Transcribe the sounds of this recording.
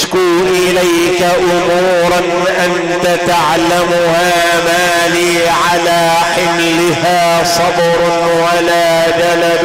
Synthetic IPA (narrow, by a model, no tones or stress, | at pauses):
kuːʔɪlaj | kaʔʊmuːɾˤn | ʔan | t̪at̪aʕlamʊhaː | maː | liː | ʕalaː | ħɪmlɪhaː | sˤɑb | ɾʊ | walaː | d͡ʒalab